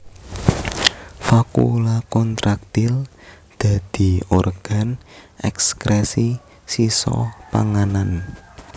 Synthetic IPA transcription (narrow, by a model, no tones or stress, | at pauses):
fakṵlakɔnt̪ɾak̚t̪il | d̪̥a̤d̪̥i̤orɡ̥a̤nʔɛ̰kskɾɛsi | sisɔ̰pa̰ŋanan